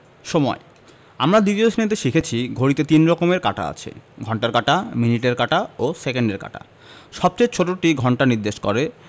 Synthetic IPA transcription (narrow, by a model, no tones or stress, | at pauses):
ʃɔmɔ̰e | amɾad̪it̪iosnet̪̬eʃikʰet͡ɕʰiɡʱoɾit̪et̪inɾɔkomeɾka̰ʈa̰a̰t͡ɕʰḛɡʱɔɳʈaɾkaʈaminiʈeɾkaʈaosekeɳɖeɾka̰ʈa̰ | ʃɔb̚t͡ɕejt͡ɕʰoʈoʈiɡʱɔɳʈaniɾd̪eʃkoɾe